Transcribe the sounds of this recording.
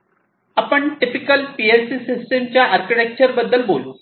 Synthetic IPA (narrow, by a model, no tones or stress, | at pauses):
apəɳʈipikəlpielsisisʈemt͡ɕjaʔəɾkiʈek̚t͡ɕəɾbəd̪ːəlbol